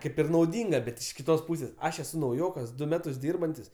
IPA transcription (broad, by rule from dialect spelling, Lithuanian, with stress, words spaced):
ˈkɐɪp ɪr nɐʊˈdʲiːŋɡɐ bʲɛt ɪʃ kʲɪˈtoːs ˈpuːsʲeːs ˈɐʃ ɛˈsʊ nɐʊˈjoːkɐs ˈdʊ ˈmʲæːtʊs ˈdʲiːrbɐnʲtʲɪs